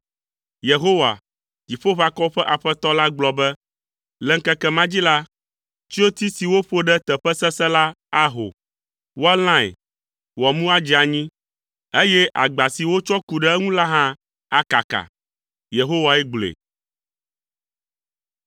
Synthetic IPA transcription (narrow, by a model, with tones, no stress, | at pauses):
je˨ɦo˦wa̰˨ | ki˨ɸo˦βa˨kɔ˦ɸɛ˦ʔa˨ɸɛ˦t̪ɔ˦la˦ɡ͡blɔ˨bɛ˦ | lɛ˨ŋ˦kɛ˦kɛ˦mã˦d͡ʑi˦la˦ | t͡ʃi˦o˦t̪i˦si˨wo˦ɸo˦ɖɛ˦t̪ɛ˨ɸɛ˦sɛ˦sɛ˦la˦ | a˦ɦo̰˨ | wo˦a˦l̃ã˦ɛ̰˨ | wɔ˨mũ˦a˦d͡ʑi˦a˨ɲĩ˦ | e˦jɛ˦ʔa̰˨ɡ͡ba˨si˨wo˦t͡ʃɔ˦ku˨ɖɛ˦ɛ˦ŋũ˦la˦ɦã˦ | a˦ka˨ka̰˨ | je˨ɦo˦wa˨ɛ˦ɡ͡blḛ˨